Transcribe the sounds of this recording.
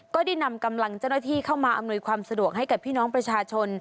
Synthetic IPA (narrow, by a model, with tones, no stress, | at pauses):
kɔː˥˩da˥˩jna˧mka˧mla˧ŋt͡ɕa˥˩wnaː˥˩t̪ʰiː˥˩kʰa˥˩wmaː˧ʔa˧mnu˧jkʰwaː˧msa˧du˨˩ək̚ɦa˥˩jka˨˩pʰːiː˥˩nɔː˦˥ŋpɾa˧t͡ɕʰaː˧t͡ɕʰo˧n